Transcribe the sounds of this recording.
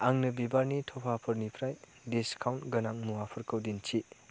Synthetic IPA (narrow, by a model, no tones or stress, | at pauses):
aŋnɯbibaɾnitʰɔpʰapʰɐɾnipʰɾaj | diskʰawntɡɐnaŋmuwapʰɐɾkʰəwdint͡ʃʰi